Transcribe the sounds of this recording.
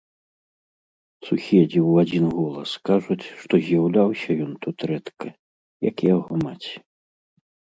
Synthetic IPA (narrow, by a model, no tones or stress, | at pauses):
susʲɛd͡zʲiwad͡zʲinɣɔlˠɐskaʐut͡sʲʂt̪ɔzʲjawlʲawsʲɐjɔnt̪ut̪ɾɛt̪kɐ | jɐkjaɣɔmat͡sʲɛ̥